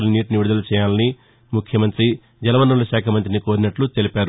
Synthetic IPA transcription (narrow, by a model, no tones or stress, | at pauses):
lniːʈniʋiɽd̪ɐlɐt͡ʃɛːjaːlɐni | mukʰjɐmɐnt̪ɾi | d͡ʒɐlɐʋɐnːɐlɐʃaːkʰɐmɐnt̪̬ɾiniko̞ːɾinɐʈlut̪e̞lipaːɾ